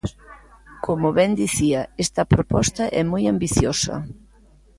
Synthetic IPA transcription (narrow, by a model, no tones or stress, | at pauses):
komʊβɛnd̪iθiɐest̪ɐpɾopɔst̪ɐʔɛmojambiθjosɐ̰